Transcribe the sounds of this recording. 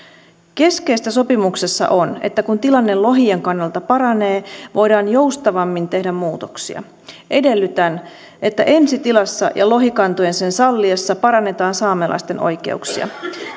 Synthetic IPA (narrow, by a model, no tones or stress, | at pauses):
ke̞ske̞jst̪ːæso̞pimukse̞sːɑ̰ʔo̞ne̞̰t̪ːækunt̪ilɑnːe̞lo̞ɦieŋkɑnːɑlt̪ɑpɑɾɑne̞ːʋʔo̞jdɑːnjo̞wst̪ɑʋɑmːint̪e̞hdæmːuːt̪o̞̥ksḭɑ̰ | ʔe̞de̞lːyt̪æn | ʔe̞t̪ːæʔe̞nsit̪ilɑsːɑ̰jɑ̰lo̞ɦikɑnt̪oje̞nse̞nsɑlːiɑsːɑpɑɾɑnːe̞t̪ɑːnsɑːmelʔɑ̰st̪e̞nʔo̞̰jk̟e̞̰uksḭɑ̰